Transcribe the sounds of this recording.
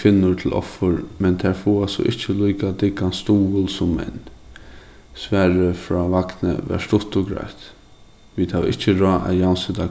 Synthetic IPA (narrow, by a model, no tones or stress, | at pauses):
fɪnːʊɹt̪ʰɪlʔɔ̰fʊɹmɛnt̪ʰæɹfuːasɔ̰ʔɪht͡ʃəliːkat̪ɪkːanst̪uːʊlsʊmːɛ̰n | sʋɛːɹəfɾɔːʋaknə̰ʋɛ̰ʂt̪ʊht̪ʊɡɾa̰jt̪ | ʋid̪̥haʋʔɪt͡ʃːəɹɔːʔa̰jawnsɪt̪a